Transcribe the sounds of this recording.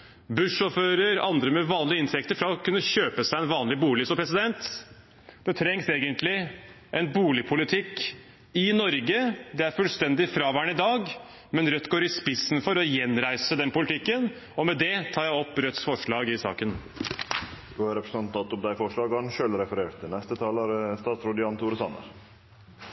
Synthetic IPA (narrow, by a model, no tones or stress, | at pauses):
bʉʂɔːføːɾəɾɑnd̪ɾəmɛʋɑːnlɪəɪnt̪ʰɛk̚t̪əɾfɾɑɔkʉnːəɕøːpəsæɪɛnʋɑːnlɪbuːlɪsɔmpʰɾɛsɪd̪ɛnt̪ | d̪̥ɛt̪ʰɾɛŋseːɡənt̪lɪ | ʔɛnbuːlɪpʰʊlɪt̪ʰɪkː | ɪnɔɾɡəd̪ɛæɾfʉlst̪ɛnd̪ɪfɾɑːʋæːɳɪd̪ɑːɡ | mɛnɾœt̪ːɡoːɾɪspɪsnfɔɾɔjɛnɾæɪsəd̪ɛnpʊlɪt̪ʰɪkːən | ɔmɛd̪ɛt̪ʰɑːjæɪɔpːɾœt̪sfɔʂɭɑːɡɪsɑ̰ːkən | d̪uæɾɛpɾə̥sɑnt̪ɑt̪ʊmd̪æɪfɔʂɭɑːɡɑnʃøːlɾɛfəɾeːɾt̪ʰːɪlnɛst̪ət̪ʰɑːləɾst̪ɑːt̪sɾud̪ɪɑnt̪ʰuːɾəsɑ̰nə̰ɾ